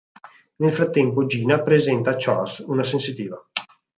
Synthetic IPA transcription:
nelfɾat̪ːɛmpod͡ʒiːnapɾezɛnt̪aːt͡ʃa̰sunasensit̪iːva

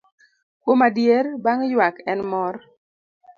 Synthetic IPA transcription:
kwomadjeɾbaŋjwakɛnmɔr

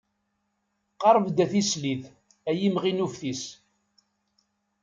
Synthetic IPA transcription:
qɑɾˤvd̪æθislið | æjimʁinufθis

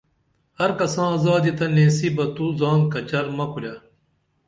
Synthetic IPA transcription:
hɐɾkɐsãːɐːzaːd̪it̪ɐnẽːsiːbɐt̪uzãːnkɐt͡ɕɐɾmɐkuljaː

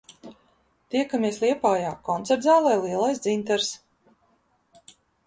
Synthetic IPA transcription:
t̪iɛkamiɛslˠiɛpaːjaːkɔnt̪sɛɾd̪zaːlˠajliɛlˠajsd̪zint̪ɛɾs

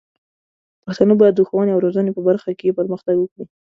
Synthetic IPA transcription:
paxt̪anəbɑjad̪ːəxwɑneawɾozənepəbaɾxakepəɾməxt̪aɡwəkɽi

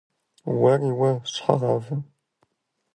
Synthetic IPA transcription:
wɐriwɐɕħa̰ʁɑvɨm

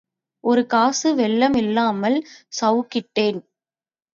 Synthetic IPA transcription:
ʔɔɾɯkaːsɯʋɛɭːɐmɪlːaːmɐlsɐwkːɪʈːeːn

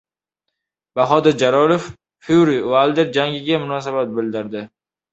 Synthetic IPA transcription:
b̥aɦɒd̪ɪɾd͡ʒalɒlˠofː | uɾivalˠd̪eɾd͡ʒaŋʲɪɡʲamʊnɒs̬abat̪̚bɪld̪ɪɾd̪ɪ

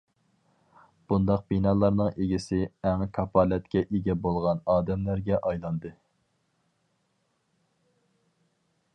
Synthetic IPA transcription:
b̥und̪ɑq̚binɑːlˠɑɾnɨŋʔeɡʲisɪɛŋkʰɑpʰɑlɛt̪kʲɛʔeɡʲɛbolˠʁɑnɑːd̪ɛmlæɾɡʲɛʔɑjlˠɑnd̪ɨ

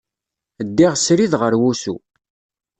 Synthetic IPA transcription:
əd̪ːiʁsɾiðʁəɾwusṵ

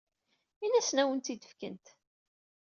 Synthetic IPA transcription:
inæsnæwənt̪id̪ə̥fkə̰nt̪

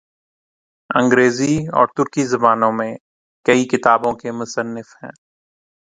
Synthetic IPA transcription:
ɐ̃ŋɡɾeːziɔ̰ːɾt̪ʊɾkizɐbaːnõmẽ | kɐikɪt̪aːbõkemʊsənːɪfɦɛ̰̃ː

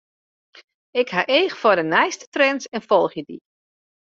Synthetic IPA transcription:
ɪkhaʔeːxfɔdənɛjstə̥trɛnsɛnfɔlˠxjədḭ

